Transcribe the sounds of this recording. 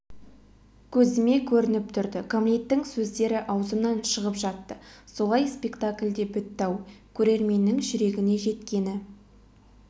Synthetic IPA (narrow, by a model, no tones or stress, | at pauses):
kʲʰɵzɪme̞kʲʰɵɾɪnɪp̚t̪ʰʏɾd̪ɪkʰomlijt̪ːɪŋsɵzd̪e̞ɾɪʔɑwzənɑnʃəʁəpʒɑt̪ːəso̞lˠɑjspe̞kt̪akʲlʲd̪e̞bʏt̪ːɑwkʲʰɵɾe̞ɾme̞nːɪŋʒʏɾe̞ɡʲɪne̞ʒe̞t̪kʲe̞nɪ